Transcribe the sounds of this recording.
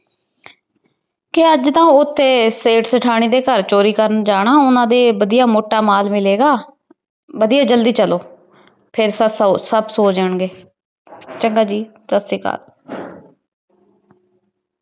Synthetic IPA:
kɪəd͡ʒt̪ãːʊt̪ʰːeːseːʈsəʈʰaːɽ̃iːd̪eːkəɾt͡ʃoːɾiːkəɾənd͡ʒaːɽ̃aːʊnãːd̪eːbəd̪ijaːmoːʈaːmaːlmɪleːɡaː | bəd̪iːaːd͡ʒəld̪iːt͡ʃəloː | pʰɪɾsəsəbsoːd͡ʒəɳɡeː | t͡ʃəŋɡaːd͡ʒiːt̪əsiːka̰ːl

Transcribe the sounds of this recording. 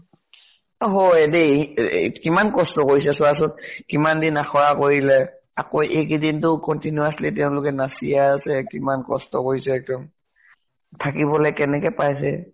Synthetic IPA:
ɦɔɛdɛ | kimankɔstɔkoɹis̬ɛsɔasɔtkimandinaxʰɔɹakoɹilɛ | akojʔekidintʊkɔntinuaslitɛʊ̃lʊkɛnasḭjasɛkimankɔ̰stɔkoɹisɛɛk̚dɔm | tʰakibɔlɛkɛnɛkɛpajs̬ɛ̰

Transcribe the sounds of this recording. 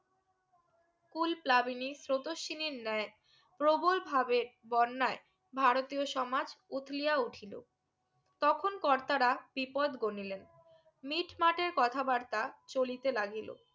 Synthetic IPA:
kulplabinisɾot̪oʃiniɾnɛe | pɾobolbʱabeɾbɔnːae | bʱaɾot̪ioʃɔmad͡ʑut̪ʰliauʈʰilo̰ | t̪ɔkʰonkɔɾt̪aɾab̥ipɔd̪ɡonilen | miʈmaʈeɾkɔt̪ʰabaɾt̪at͡ɕolit̪elaɡilo̰

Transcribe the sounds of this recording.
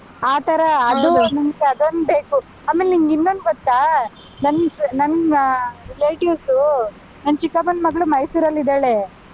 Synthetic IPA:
aːt̪ʰɐɾɐːd̪unɐmɡeɐd̪onbe̞ːku | aːmeːlniŋɡinːond̪ɡot̪ːaː | nɐnːnɐnː | leːʈjisu | nɐnːt͡ʃikːɐbɐnmɐɡɐɭumɐjsuːɾɐlːid̪aːɭe

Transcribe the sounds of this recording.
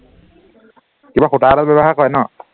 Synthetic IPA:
kibaxutaːlalbɛbɔxakɔɛnɔ

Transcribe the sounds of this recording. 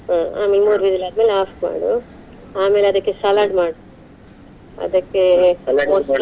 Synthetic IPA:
aːa̰ːmeːlmuːɾʋid̪ilɐːd̪̚meːlaːfma̰ːɽu | aːmeːlɐd̪ɐkːesɐlaːɖmaːɽu | ɐ̰d̪ɐkːemos

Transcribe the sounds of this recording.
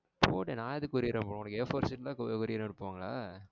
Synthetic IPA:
pʰo̰ːʈenãːɐðɯkːɔɾɪɾẽːmpoːɽ̃ʊnɐkːɛfoːɾsɪʈːlãːkɔkɔɾɪjnːɛɽɯpːʋaːŋɡɐɭaː

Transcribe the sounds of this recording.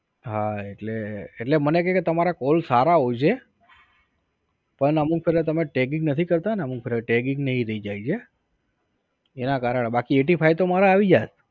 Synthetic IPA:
ɦaeʈleːʈlemənek̬eket̪əmaɾakolsaɾaɦod͡ʒe | pəɳəmuk̚pʰeɾət̪əmeʈek̬ɪŋɡnət̪ʰikəɾt̪aneəmuk̚fʰeɾəʈekĩŋɡnəɦĩɾəid͡ʒait͡ʃʰe | enakaɾəɳebakieʈifʰajt̪omaɾaːʋid͡ʒa̰t

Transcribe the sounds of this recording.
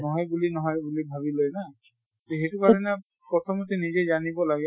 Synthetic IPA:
nɔɦɔjbulinɔɦɔjbulibʱaβilojna | toxetukaɹɔnɛ | pɔtʰɔmɔtɛnizɛzanibɔlaɡɛ

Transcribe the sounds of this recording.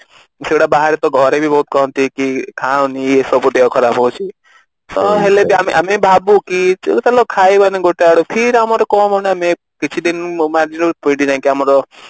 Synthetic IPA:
seɽabaɦaɾet̪ɔɡʱɔɾebʱibɔɦut̪̚kɔɦɔnt̪ikikʰawniesɔbuɖeɦɔkʰɔɾabɦɔwt͡ʃʰi | sɔɦelebʱiameʔamebʱabukit̪alɔkʰaibaneɡoʈaɽopʰiɾamɔɾɔkɔmɔneame | kit͡ʃʰid̪inmaɾd͡ʒinɔpoiɖid͡ʒãkiamɔɾɔ

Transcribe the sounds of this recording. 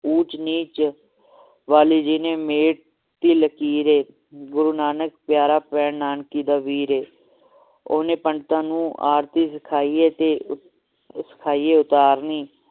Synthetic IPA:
uːt͡ʃniːt͡ʃ | ʋaːliːd͡ʒiːneːmeːʈ̚ | t̪iːləkiːɾeː | ɡʊɾuːnaːnək̚pɪjaːɾaːpɛːɳnaːnkiːd̪aːʋiːɾeː | oːnẽːpəɳɖt̪ãːnũːʔa̰ːɾt̪iːsəkʰaːiːeːt̪eː | sə̥kʰaːiːeːʊt̪aːɾniː

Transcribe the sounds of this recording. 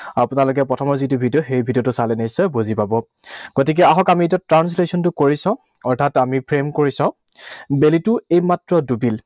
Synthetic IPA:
apʊnalʊk̬ɛpɹɔtʰɔmɔɹzitubʱidijɔxejbʱidijɔtʊsalɛnisɛbozipabɔ | ɡ̥otik̬ɛaɦɔkamiet̬atɹanslesɔntʊkoɹisãʊ̃ | ɔɹtʰatamipʰɹemkoɹisãʊ̃ | belitʊejmatɹɔdubil

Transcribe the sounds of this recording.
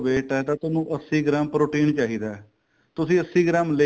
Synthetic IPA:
ʋeːʈɛːt̪ãːt̪ʊnũːʔəsiːɡɾaːmpɾoːʈiːnt͡ʃaːɦiːd̪aːɛ | t̪ʊsĩːəsːiːɡɾaːmle

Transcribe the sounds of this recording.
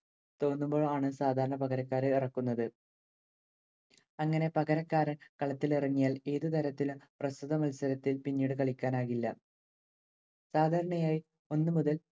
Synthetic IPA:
t̪o̞ːnːumbo̞ːɭaːɳɨsaːd̪ʱaːɾɐɳɐpɐɣɐɾɐkːaːɾɨirɐkːunːɐðɨ | ɐŋːɐne̞pɐɣɐɾɐkːaːɾɐkɐɭɐt̪ːiliriŋːijaːle̞ːðɨt̪ɐɾɐt̪ːilumprɐsuðɐmɐlsɐɾɐt̪ːilpinːiːɽɨkɐɭikʲːaːnaːɣilːɐ | saːd̪ʱaːɾɐɳɐjaːji | o̞nːɨmuðɐl

